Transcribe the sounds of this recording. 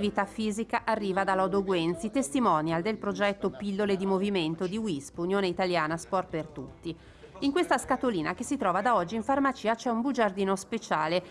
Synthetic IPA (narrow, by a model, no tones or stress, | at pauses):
vit̪afiːzikaʔarːiːvad̪alːɔd̪oɡwɛnt̪sit̪est̪imɔnjald̪elpɾod͡ʒɛt̪ːopilːoled̪imoviment̪od̪iwispunjoːneit̪aljaːnaspɔrpert̪ut̪ːi | iŋkwest̪askat̪oliːnakesːit̪ɾɔːvad̪aɔd͡ʒːiiɱfarmat͡ʃiːat͡ʃɛumbud͡ʒard̪iːnospet͡ʃaːle